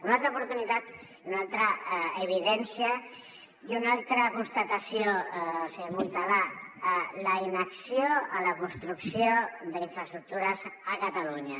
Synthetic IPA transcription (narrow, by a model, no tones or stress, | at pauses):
unalt̪ɾɐupuɾt̪unit̪at̪ | unalˠt̪ɾaeβ̞iðɛnsja | dunalt̪ɾəkunst̪at̪asjoseɣunt̪ala | ləinəksjoələkunst̪ɾuksjod̪əiɱfɾəst̪ɾuk̚t̪uɾəzəkat̪aluɲa